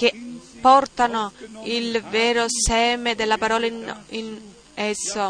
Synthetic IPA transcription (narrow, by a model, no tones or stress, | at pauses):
kepːɔrt̪anoilvɛːɾosɛːmed̪elːapaɾɔːlain | ɛsːo